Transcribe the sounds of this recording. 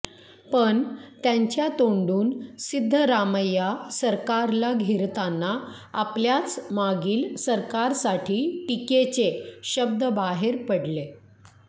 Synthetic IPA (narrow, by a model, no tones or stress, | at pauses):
pəɳt̪jãɲt͡ɕjat̪oɳɖuːnsid̪ʱːəɾaməjasəɾkaɾlaɡʱeɾt̪anːa | apljat͡smaɡiːlsəɾkaɾsaʈʰiːʈiket͡seɕəb̚d̪ʱəbaɦeɾpəɽle